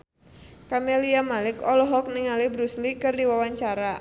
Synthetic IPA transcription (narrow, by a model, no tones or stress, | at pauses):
kameliamalɪkɔlɔɦɔk̚niŋalibɾuslikɨrdiwawaɲt͡ʃaɾa